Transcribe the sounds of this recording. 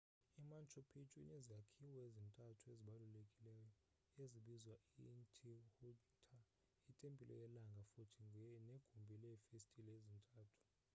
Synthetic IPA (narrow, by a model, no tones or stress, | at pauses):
imant͡ʃʰʼopʰit͡ʃʼwinɛziakʰiwɔezintʼatʰueziɓalulekʼilɛːjɔ | eziɓizwaintʰʼihu | tʰa | itʼempʼilʔɔjɛlaŋɡʱafutʰiŋɛneɡ̥ʱumbʱilɛfistʼilezintʼaːtʰu̥